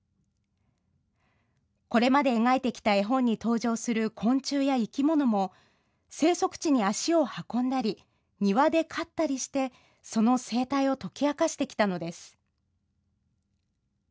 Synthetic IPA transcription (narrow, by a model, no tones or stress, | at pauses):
ko̞ɾe̞mad̪e̞ːŋaet̪e̞kʲi̥t̪aeɦõ̞ɲ̟ːit̪o̞ːʑo̞ːsɨɾɯ̟kʰõ̞ɲt͡ɕɨːjaikʲimo̞no̞mo̞ | se̞ːso̞kɯ̟̥t͡ɕiɲ̟iaɕio̞hakõ̞nd̪aɾʲi | ɲ̟iβad̪e̞kʰat̪ːaɾʲiɕi̥t̪e̞ | so̞no̞se̞ːt̪aio̞t̪o̞kʲiakaɕi̥t̪e̞kʲi̥t̪ano̞d̪e̞sɨ̥